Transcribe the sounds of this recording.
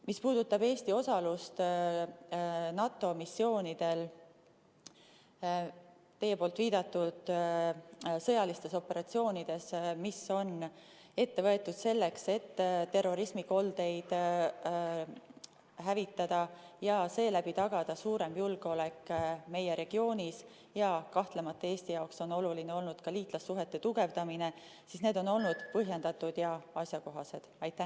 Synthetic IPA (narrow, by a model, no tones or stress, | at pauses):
mispuːd̪̥ut̪ːˑɑbe̞ːst̪io̞sɑlust̪ | nɑt̪ːˑo̞misːio̞ːnid̪̥e̞l | t̪e̞jepo̞ːlt̪viːd̪̥ɑt̪ːˑud̪̥ | sɤjɑlist̪e̞so̞pːe̞ɾɑt̪sio̞ːnid̪̥e̞smiso̞n | e̞t̪ːe̞vɤe̞t̪ːˑud̪̥se̞lːe̞kse̞t̪ːt̪ːe̞rːo̞ɾismiko̞ld̪̥e̞jd̪̥ | ɦævit̪ːˑɑd̪̥ɑjɑse̞ːlæb̥it̪ɑɡ̥ɑd̪̥ɑsuːɾe̞mjulɡ̥eo̞le̞kːme̞jeɾe̞ɡ̥io̞ːnis | jɑkɑht̪le̞mɑt̪ːee̞ːst̪ijɑokso̞no̞lulineo̞lnud̪̥kɑliːt̪ˑlɑsːuɦe̞t̪ːe̞t̪uɡ̥e̞vd̪ɑmine̞ | sisne̞ːd̪̥o̞no̞lnud̪̥pɤɦje̞nd̪̥ɑt̪ːˑud̪̥jɑɑsjɑko̞ɦɑse̞d̪̥ɑjt̪ːˑæ